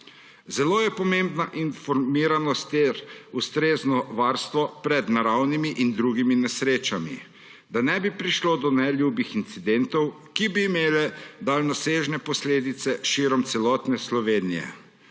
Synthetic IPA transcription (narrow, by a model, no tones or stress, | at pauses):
zɛloːjɛpɔmembnaʔinfɔɾmiːɾanɔst̪eɾust̪ɾeːznɔʋaːɾst̪ʋɔpɾɛd̪naɾawnimiʔind̪ɾuːɡiminɛsɾeːt͡ʃamḭ | d̪anɛbipɾiʃloːd̪ɔnɛljuːbixint̪sid̪ɛnt̪ɔw | kibiːmeːlɛd̪aːlnɔseːʒnɛpɔsleːd̪it̪sɛʃiɾɔmt̪sɛlɔːt̪nɛslɔʋeːnijɛ̰